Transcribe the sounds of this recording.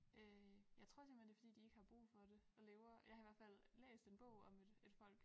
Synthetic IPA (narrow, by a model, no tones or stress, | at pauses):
øjɑ̈ɪt͡sʰʁɔ̝ɐsɛɐmende̝fɒ̽dḭːd̥ie̝ɡ̥hɑ̈b̥ʁṵːfɒ̽d̥e̝ɒ̽leːʊɐjɑ̈hɑ̈iʋæɐfæl̰ːḛːsd̥e̝nb̥ɔ̽ʊ̰ɒ̽med̥e̝d̥fɒ̽l̰ɡ̥